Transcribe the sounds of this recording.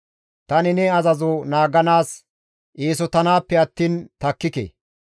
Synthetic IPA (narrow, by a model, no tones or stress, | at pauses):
t̪ɐnɪnɛɐzɐzʊnaːɡɐnaːs | ʔiːs̬ɔt̪ɐnaːpːɛɐt̪ːiːnt̪ɐkːɪkḛː